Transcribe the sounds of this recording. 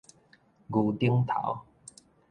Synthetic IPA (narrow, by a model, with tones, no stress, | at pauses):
ɡu˧t̪i˦əŋt̪ʰa̰˨˦w